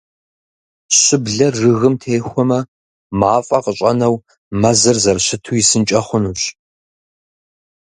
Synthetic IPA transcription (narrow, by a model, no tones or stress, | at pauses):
ɕɪbɮɐrːɨɣɨmtʰeːxʷɔmɐ | maːfʼɐqəɕʼɐnɐw | mɐzɐrzɐrɕɪtʰujɪsɨnt͡ʃʼɐχʷʊnuːɕ